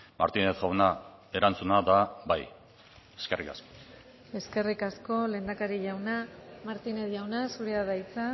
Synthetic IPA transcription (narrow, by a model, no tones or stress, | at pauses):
ma̰ɾt̪ineðɣawnae̞ɾant͡sunaðabaj | e̞̥skerḭka̰sko̥ | e̞ske̞rikasko̞le̞ːnd̪akaɾiʝawnamaɾt̪ineðʝawnasuɾeaðajt͡sa